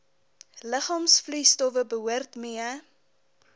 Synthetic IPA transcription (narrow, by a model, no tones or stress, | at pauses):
ləχɑːmsflœstɔfəbəɦuərtmiə